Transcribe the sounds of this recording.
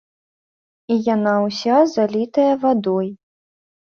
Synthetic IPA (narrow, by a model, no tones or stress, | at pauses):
ijanawsʲazalʲit̪ɐjɐvad̪ɔj